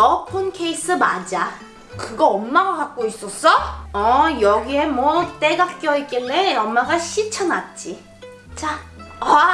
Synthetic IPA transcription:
ʌpʰonkʰe̞isʰɯmad͡ʑa | kɯɡʌʌmːaɡaɡak̚k͈ois͈ʌs͈ʌʌjʌɡie̞mwʌt͈e̞ɡak̚k͈jʌek͈eɭːeʌmːaɡaɕʰit͡ɕʰʌnat̚t͡ɕ͈i | t͡ɕ͈aa

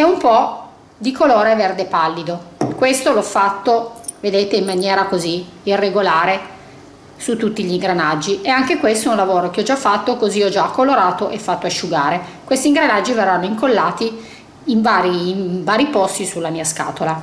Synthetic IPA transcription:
ɛumpɔ | d̪ikʰoloːɾeverd̪epalːid̪okwest̪oloɔfːat̪ːoved̪eːt̪eimːanjɛːɾakoziirːeɡolaːɾe | sut̪ːut̪ːiʎiŋɡɾanad͡ʒːieaŋk̟ekwest̪ounlavoːɾok̟eɔd͡ʒafːat̪ːokoziɔd͡ʒakːoloɾaːt̪oʔɛfːat̪ːoaʃːuɡaːɾe | kwest̪iŋɡɾanad͡ʒːiverːanːoiŋkolːaːt̪iː | ɱvaːɾivaːɾipɔst̪isulːamiːaska̰ːt̪ola

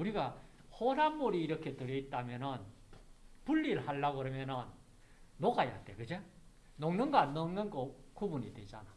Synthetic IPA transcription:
uɾiɡa | hoɾanmuɾiːɾʌkʰe̞tɯɾjʌit̚t͈amjʌnɯn | puʎːiɾɯɭhaɭːaɡɯɾʌmjʌnɯnː | oɡaja̰t͈ekɯd͡ʑe | noŋnɯnɡnnɯŋnɯnɡokubunidwed͡ʑana

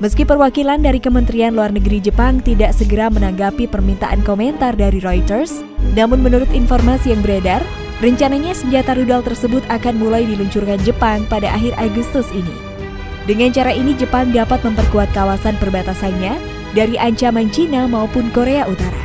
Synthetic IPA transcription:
məskipərwakilandaɾikəmənt̪ɾianluarnəɡɾid͡ʒəpaŋt̪idaʔsəɡəɾamənaŋɡapipərmint̪aʔankomɛnt̪ardaɾiɾojt̪ərs | namʊnmənuɾʊt̪infɔrmasijaŋbəɾadar | rəɲt͡ʃanaɲasəɲd͡ʒat̪aɾudalt̪ərsəbʊt̪akanmulajdiluɲt͡ʃurkand͡ʒəpaŋpadaʔaɦɪrʔaɡust̪usinḭ | dəŋaɲt͡ʃaɾaʔinid͡ʒəpaŋdapat̪̚məmpərkuat̪̚kawasanpərbat̪asanɲa | daɾiʔaɲt͡ʃamaɲt͡ʃinamaupʊnkoɾeaʔut̪aɾa̰

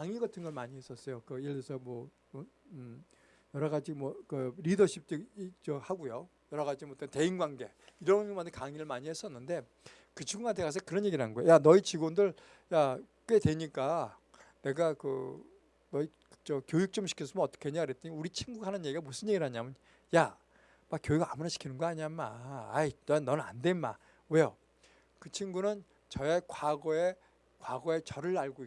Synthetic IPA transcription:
kaŋiɡʌtʰɯnɡʌɭmaɲiɦe̞s͈ʌs͈ʌjokɯiɭesʰʌmwʌ | mʌ | jʌɾʌɣad͡ʑimwʌkɯɾidʌɕʰip̚t͈eit͡ɕʌhaɡujo | jʌɾʌɣad͡ʑimoʌt͈ʌnte̞inɡwaŋɡe̞ | iɾʌnmandʰekaŋiɾɯɭmaɲihes͈ʌnːɯnde̞ | kɯt͡ɕʰiŋɡuŋɦantʰekas̬ʰʌkɯɾʌnɲje̞ɡiɾɭɦanɡojojanʌit͡ɕiɡondɯɭ | ja | k͈we̞dwe̞ɲik͈a | ne̞ɡakɯ̰ | nʌi | t͡ɕʌkjojuk̚t͡ɕ͈omɕʰi̥kʰis̬͈ʰɯmɯʌt͈ʌ̥kʰeeɲeɡaɾet͈ʌɲiuɾit͡ɕʰiŋɡuɡahanɯnje̞ɡiɡamos͈ʰɯnje̞ɡiɭɦaɲiamjɯn | ja | mak͈jojiɡaamunaɕʰi̥kʰinɯnɡoaɲiamaainʌnɯnande̞nma̰ | we̞jo | kɯt͡ɕʰiŋɡunɯn | t͡ɕʌekwaɡʌe̞ | kwaɡʌe̞t͡ɕʌɾɯɭaɭɡoi

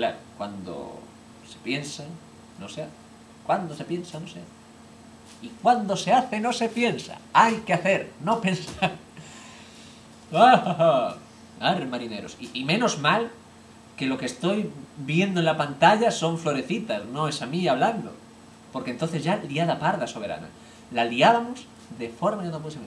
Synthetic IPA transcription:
klaɾokwand̪o̰ | se̞̥pje̞nsa | no̞seaθe̥ | kwand̪ose̞pje̞nsanoseaθe̥ | ikwand̪o̞se̞aθeno̞se̞pje̞nsa̰ajkeaθe̞ɾno̞pe̞nsaɾ | ahaa | aβɾemaɾine̞ɾo̞̰siimẽ̞no̞zmal | ke̞lo̞kest̪o̞jbje̞nd̪oe̞nlapant̪aʎaso̞ɱflo̞ɾe̞θit̪asno̞e̞samiaβ̞land̪o̰ | po̞ɾkent̪oθe̞zʝaliaðapaɾðaso̞β̞e̞ɾa̰na̰ | laliaβamo̞z | ðe̞fo̞ɾmanoposami

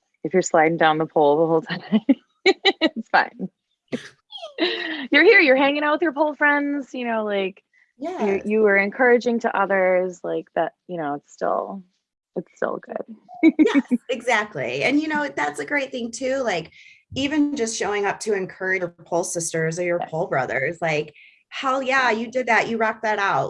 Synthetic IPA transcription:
ɨfjə˞slaɪɾɪ̃ŋdãʊ̃nðəpʰoʊlˠʌðəɦoʊlˠtʰɨɾeɪ | tsfã̰ɪ̃n | jə˞hiɹjə˞ɦæ̃ŋɪ̃ŋaʊt̚wəðjə˞pʰoʊlˠfɹɛ̃ndz̥jɨnoʊlaɪk | jæjə˞jɨə˞ɨ̃nkʰɜ˞ɨd͡ʒɪ̃ŋtʰɨʔʌðə˞zlaɪk̚ðɨt̚jɨñoʊɨtstɪ̰lˠ | ɨtstɪ̰lˠɡʊ̰d̥jɨɡzæk̚tʰˡlḭɨ̰̃njɨnoʊðætsɨɡɹeɪt̪̚θɪ̃ŋtʰʉlaɪkivɨ̃nd͡ʒʌstʃoʊɪ̃ŋʌp̚tʰɨɨ̃nkʰɜ˞ɨəə˞pʰoʊlˠsɪstə˞zə˞jə˞pʰoʊlˠbɹʌ̰ðə̰˞zlaɪk | haʊjæjɨdɨd̪̚ðæʔjʔɨɹɑk̚ðɨɾaʊt̚

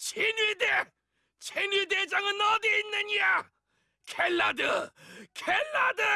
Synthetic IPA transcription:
t͡ɕʰenide | t͡ɕʰenid̪ed͡ʑaŋɯnʌd̪iinːɯɲia | kʰelːadɯkʰelːadɯ

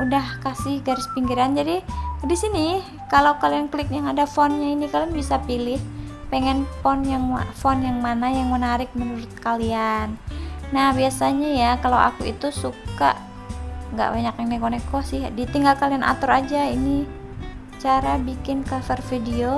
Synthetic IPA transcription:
udahkasɪhɡaɾɪspiŋɡiɾand͡ʒadidisini | kalawkalianklɪk̚jaŋadafɔnɲainikalianbisapilɪhpɛŋɛnfɔnjaŋfɔnjaŋmanajaŋmənaɾɪk̚mənuɾʊt̪̚kalianːahbiasaɲajakalawʔa̰kuḭt̪usuka̰ʔ | ŋɡa̰ʔbaɲakjaŋnɛkonɛkɔsɪhdit̪iŋɡalkalianʔa̰t̪ɔɾad͡ʒaini | t͡ʃaɾabikɪnkafɛrfidio

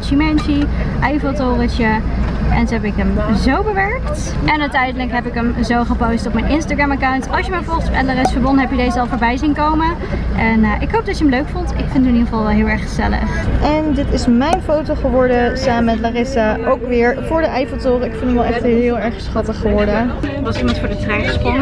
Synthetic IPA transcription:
ʃimɛnʃiʔɛjfotoːrət͡ʃəʔɛ̰ntɦɛpɪkəmzowbəʋɛɹkt | ɛnœɥtɛjdələkɦɛpɪkəmzowχəpowstɔp̚mɛjnʔɪnstaɡrɛmakawntɑlˠʃjəmaɹvɔɹχəspɛtlaːɾɪsfəbɔnɦɛpjədejzəɑlˠfʊːɹbɛjzinkowmə | ʔɛnəʔɪkɦowp̚dɑtjəəmløɥkfontɪkfɪndənɪniχəvɑlˠʋɛlˠɦɪːlˠɛɹχχəzɛ̰lə̰χʔɛndɪtɪsmɛjnfowtoχəʋɔɹdəsaːməmɛtlaːrɪsaʔowkʋɪːɹvʊːɹdəʔɛjvəlˠtʊːɾəɪkfɪnəmɛlˠɛxtɪːlˠɛɹχsχɑtəχːəʋɔɹdəʋɑsimɑntfʊːɹdətrɛjnχəspok

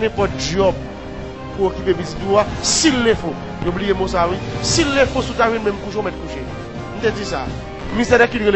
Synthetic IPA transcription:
nɛ̃pɔt̚d͡ʒɔb̚ | puokypebizit̪uasilːẽfõ | joblijemõs̬awisilːẽfõsutawĩnmɛ̃mkuʃõmɛt̚kuʃe | n̩t̪ed͡zis̬a | mist̪ɛdɛkidɣel

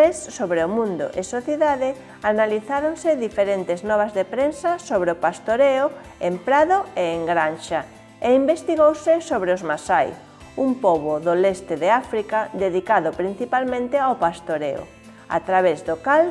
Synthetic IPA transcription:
esːoβɾeʊmũnd̪ʊ̰ʔɪ̰soθjeðaðe | analiθaɾonsɪðifeɾent̪ɪznɔβ̞azðepɾensasoβɾeopast̪oɾeʊ | empɾaðoeːŋɡɾanʃa | eimbest̪iɣowsɪsoβɾeozmasaj | umpɔβʊðolest̪ɪðeafɾikad̪eðikaðʊpɾin̟θipalmẽnt̪ɪawpast̪oɾḛʊ̰ | a̰t̪ɾaβezðʊkal

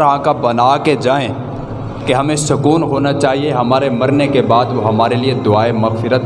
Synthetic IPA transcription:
ɾɦãːkabɐnaːked͡ʒaːẽ | keɦɐmẽsʊkuːnɦoːnat͡ʃaːɦieɦɐmaːɾemɐɾnekebaːd̪ʋoɦɐmaːɾelied̪ʊaːemɐɣfɪɾət̪

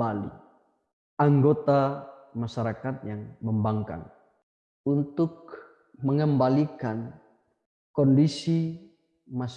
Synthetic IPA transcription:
alḭ | aŋɡot̪a | maʃaɾakat̪̚jaŋməmbaŋka̰n | unt̪ʊk̚ | məŋəmbalikan | kɔndisi | ma

